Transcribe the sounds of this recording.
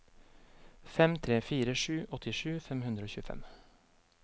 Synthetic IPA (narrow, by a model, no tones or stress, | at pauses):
fɛmt̪ʰɾeːfiːɾəʃʉːʔɔt̪ʰɪʃʉːfɛmhʉnd̪ɾəoːçʉːfɛ̰m